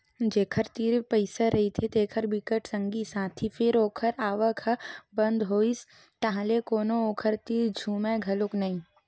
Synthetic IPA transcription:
d͡ʒeːkʰəɾt̪iːɾpɐɪsaɾɐɦit̪ʰet̪eːkʰəɾbɪkəʈsə̃ŋɡisãːt̪ʰifʰɪɾoːkʰəɾaːʋəkʰbɐ̃nd̪ɦoːis | t̪aɦãlekoːnooːkʰəɾt̪iːɾd͡ʒʱuːmẽɡʱɐlʊknɐĩː

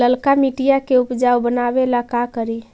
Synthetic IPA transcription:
əlkamiʈijakeʊpd͡ʒaːwbənaːwelakakəɾi

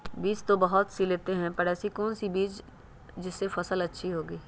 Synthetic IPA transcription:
biːt͡ʃt̪obɐɦʊt̪sileːt̪eɦɛ̃pɐɾɛːsikɔːnsibiːt͡ʃ | d͡ʒɪsːefɐsəlɐtːʃʰiɦoːɡiː

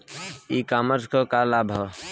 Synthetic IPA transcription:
ikaːməɾzkokalaːbʱə

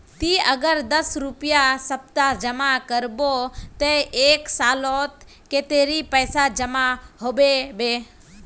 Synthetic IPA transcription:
t̪iːəɡəɾd̪əsɾʊpijasəp̚t̪ad͡ʒəmakəɾbot̪eeːksaːlot̪ | ket̪eːɾipəːsad͡ʒəmaɦobebeː

